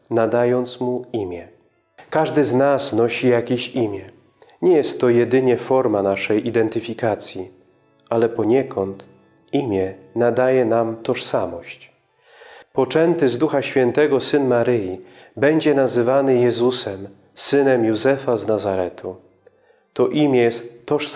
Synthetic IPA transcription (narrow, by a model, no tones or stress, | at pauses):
nad̪ajɔnt̪smuimʲjɛ | kaʐd̪ɘznasnɔɕijakʲeɕimʲjɛ | ɲɛjɛst̪ːɔjɛd̪ɘɲɛfɔɾmanaʂɛjʔid̪ɛnt̪ɘfʲikat̪sʲji | ʔalɛpɔɲɛkʰɔnt̪ | imʲjɛnad̪ajɛnamt̪ɔʂsamɔɕt͡ɕ | pɔt͡ʂɛnt̪ɘzd̪uxaɕfʲjɛnt̪ɛɡɔsɘnmaɾɘjibɛɲd͡ʑɛnazɘvanɘjɛzusɛm | sɘnɛmjuzɛfaznazaɾɛt̪ʰu | t̪ɔʔimʲjɛjɛst̪ːɔʂ